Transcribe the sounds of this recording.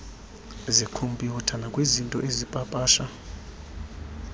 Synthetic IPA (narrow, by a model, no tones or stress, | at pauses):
zikʰombʱʼiwɔtʰanakʼwezintʼɔʔezipʼapʼaːʃa